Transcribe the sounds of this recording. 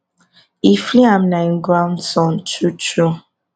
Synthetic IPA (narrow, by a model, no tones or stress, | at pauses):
ifliam̩naŋ̩ɡwam̩tɔn̩tut͡ʃu